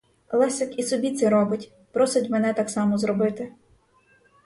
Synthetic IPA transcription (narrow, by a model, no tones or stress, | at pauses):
lˠɛsɪkisɔbʲit̪sʲɛɾɔbɪtʲ | pɾɔsɪtʲmɛnɛt̪ɑksɑmɔzɾɔbɪt̪ɪ